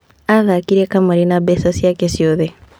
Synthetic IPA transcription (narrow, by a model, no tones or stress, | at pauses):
aðakiɾekamaɾinabɛsasjakesjoðe